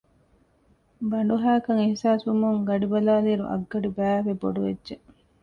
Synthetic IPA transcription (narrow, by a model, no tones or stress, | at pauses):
bɐɳ̆ɖuɦæːkɐŋihsaːsumuŋɡɐɖibɐlaːliːɾṵʔɐ̰ɡːɐɖibæːʋebo̰ɖuʋedːʒe